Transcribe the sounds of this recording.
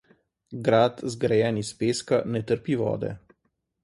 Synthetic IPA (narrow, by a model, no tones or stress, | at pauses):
ɡɾaːt̪zɡɾajɛːnispeːskanɛt̪əɾpiʋɔ̰ːd̪ɛ̰